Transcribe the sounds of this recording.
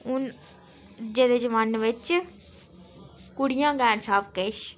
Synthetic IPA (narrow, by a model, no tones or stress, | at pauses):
ʊn | d͡ʒeːd̪ed͡ʒəʋanʋɪt͡ʃ | kʊɽijãːɡɛːnsaːpkeʃ